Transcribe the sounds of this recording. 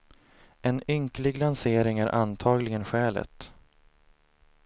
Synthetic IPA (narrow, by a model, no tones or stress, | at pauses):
ɛnʏŋklɪɡlanseːɾɪŋæɾʔa̰nt̪ʰɑːɡlɪɡənɧɛːlə̰t̪